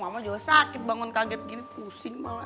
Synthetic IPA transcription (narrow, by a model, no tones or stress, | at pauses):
mamad͡ʒɔɡasakɪt̪̚baŋɔnkaɡɛt̪̚ɡinipusɪŋma̰la